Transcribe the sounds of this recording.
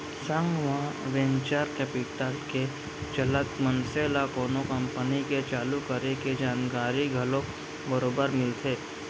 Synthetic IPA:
sə̃ŋɡʋɦãʋẽnt͡ʃaːɾkɛːpɪʈəlke | t͡ʃɐlət̪mənseːlakoːnokɐ̃mpəniket͡ʃaːlukəɾeked͡ʒaːnkaːɾiɡʱɐlõ | bəɾoːbəɾmɪlt̪ʰeː

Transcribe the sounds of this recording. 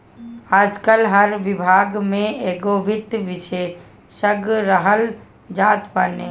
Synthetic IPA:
aːd͡ʒkəlɦɐɾʋɪbʱaːɡmẽeːɡoːʋɪt̪ʋɪʃe | səɡɾəɦəl | d͡ʒaːt̪baːneː

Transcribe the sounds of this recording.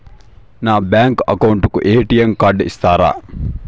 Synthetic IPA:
naːbæːŋkɐ̰kɐuɳʈukuʔeɦeʈijɐŋkaɖḭst̪aːɾa̰ː

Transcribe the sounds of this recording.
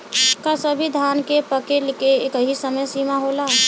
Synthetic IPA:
kasəbʱid̪ʱankepəkelikeːkəɦisəməjsimaɦola

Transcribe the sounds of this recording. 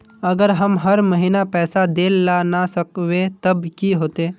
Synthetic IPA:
əɡəɾɦɐmɦɐɾməɦinapɛːsad̪eːlːanasəkʋet̪ɐbkiɦoːt̪eː

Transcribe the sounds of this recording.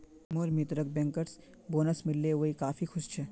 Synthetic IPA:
moːɾmit̪ɾək̚bɛ̃ŋkəɾs | boːnəsmɪlːeɦoikaːfixʊʃt͡ʃʰɛː

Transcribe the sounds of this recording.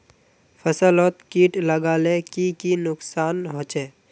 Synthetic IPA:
pʰəsəlɔt̪kiːʈləɡaːlẽkikinʊksaːnɦoːt͡ʃeː

